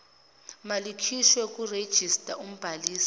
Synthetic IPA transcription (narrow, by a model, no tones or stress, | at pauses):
malikʰiʃwɛk̬ʼured̥ʒ̥ʱistʼaum̩b̥ʱaliːsi̥